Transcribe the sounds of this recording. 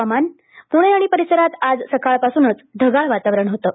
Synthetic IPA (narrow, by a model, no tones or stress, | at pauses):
aman | puɽ̃eaɽ̃ipəɾisəɾat̪ad͡zsəkʰaɭpasunət͡sd̪ʱəɡaɭʋat̪aʋɾəɳɦot̪əː